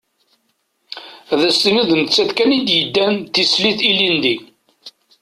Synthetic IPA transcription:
ðæst̪iniðnət͡sːæt̪kænid̪jəd̪ːænt̪isliθilind̪i

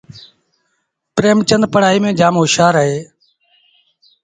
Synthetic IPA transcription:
pɾeːmt͡ʃənd̪̚pəɽ̤aːiːmẽːd͡ʒaːmɦʊʃaːɾəɦeː

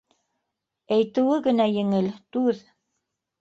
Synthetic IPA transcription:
æjt̪ɘ̆wɘɣɘ̆næjɘ̆ŋɘlt̪ʉð

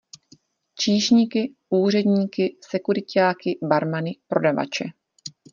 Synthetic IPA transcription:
t͡ʃiːʃɲiːkɪuːr̝ɛdɲiːkɪsɛkuɾɪcaːkɪbaɾmanɪpɾo̞dava̰t͡ʃɛ

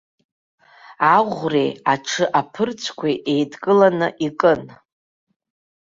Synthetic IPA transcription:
aʁʷrejaʈ͡ʂʰɨʔapʰɨrt͡sʷʰkʷʰaʔejdkʼɨlanɨʔikʼɨn

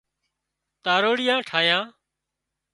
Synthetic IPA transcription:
t̪aːɾoːɽɪjãːʈʰaːjãː

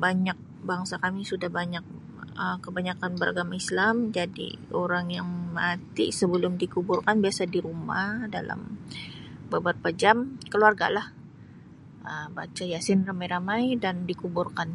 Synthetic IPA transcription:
baɲak̚ | baŋsakamisudahbaɲak̚ | əkəbaɲakanbəɾaɡamaislamd͡ʒadḭoɾaŋjaŋmat̪ḭsəbəlʊmdikubʊrkanbiasadiɾumahda̰lʔa̰m | babarpad͡ʒamkəluarɡa̰lah | ʔəba̰t͡ʃajasɪnramajɾamajdandikubʊrkan

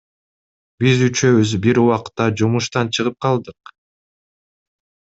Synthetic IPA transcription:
bizyt͡ʃø̞βyzbiɾuwɑqt̪ːɑd͡ʒumuʃt̪ɑnt͡ʃʰɯʁɯp̚qʰɑlˠd̪ɯq

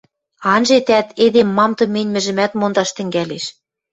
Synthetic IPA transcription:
ɑnʒet̪æt̪ed̪emːɑmt̪ɤ̆menʲmɘ̆ʒɘ̆mæt̪mond̪ɑʃt̪ɘ̆ŋɡæleʃ

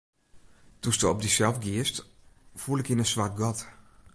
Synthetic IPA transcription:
d̥ustəɔb̚disɛlˠfɡiəstfuəlˠɪkɪnəsʋart̚ɡɔt

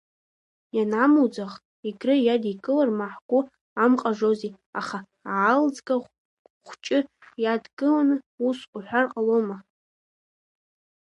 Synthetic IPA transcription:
janamud͡zaχ | iɡrɨjadikʼɨlarmaħɡʷʊ | amqʼaʐozi | aχa | aːld͡zkʼa | χʷt͡ʃʼɪjadɡʼɨlanɨ | usʼuħʷarqʼaloma

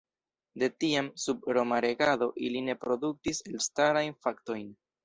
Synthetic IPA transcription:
de̞tiamsub̚ɾo̞maɾe̞ɡado̞ʔiline̞pɾo̞duk̚tise̞lstaɾajnfakto̞jn

